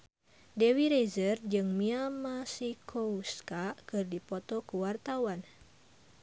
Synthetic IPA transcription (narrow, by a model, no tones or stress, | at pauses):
dɛwiɾezərd͡ʒɨŋmiamasikʰouskakɨrdipɔt̪ɔkuwart̪awan